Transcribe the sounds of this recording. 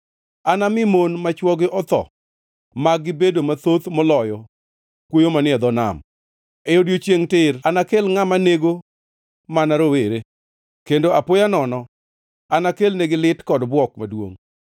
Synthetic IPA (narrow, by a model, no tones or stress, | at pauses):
anamɪmonmat͡ʃwɔɡɪʔɔt̪ɔ̰ | maɡːɪbedomat̪ot̪mɔlɔjɔ | kwojomanɪɛd̪ɔna̰m | eodjot͡ʃeŋtɪranakelŋamaneɡo | manaɾoweɾe | kendoapojanɔnɔ | anakelneɡɪlɪtkɔdbwɔkmadwo̰ŋ